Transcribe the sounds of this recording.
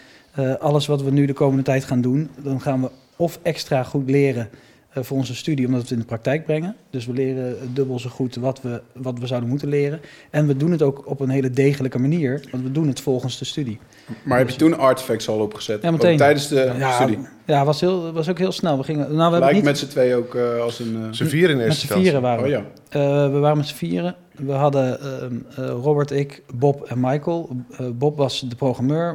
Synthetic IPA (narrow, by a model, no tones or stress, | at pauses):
əʔɑləsʋɑtʋənydəkowməndətɛjtχaːndundɑnχaːnʋə | ɔfɛkstraːχutlɪːrə | vʊːrɔnsənstydiɔmdɑtʋəɪndəprɑk̚tɛjɡ̚brɛŋəndɵsʋəlɪːrəədøbəlˠsəχutʋɑtʋəʋɑtʋəzɑwdənmutənlɪːrən | ɛnʋədunɦətowkɔpənɦejlədejχənləkəmaniːɹʋɑntʋədunɦətfɔlˠχənzdəstydi | maɹɦɛpjətunɑːɹtə̥fɛk̚tsɑlˠɔpχəz̥ɛtjamətejntɛjdənsdəjadi | jaʋɑslˠʋɑsowkɦɪːlˠsnɛlˠʋəχɪŋənawʋəɛɛnmɛtsətʋejowkɑlˠsənsəviːɾɪnɛmɛtsəviːɾəʋaːrəja | ʋəʋaːrəmɛtsə̥fiːrə | ʋəɦɑdə | robəɹtɪkbɔpɛnmɑjkəlˠbɔpʋɑsdəprowχramøːɹ